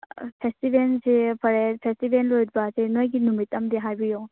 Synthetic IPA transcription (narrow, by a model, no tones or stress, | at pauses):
pʰestibensepʰɐɾepʰestibʱenlojɾbasenojɡinumitɐmdiɦajbijoŋ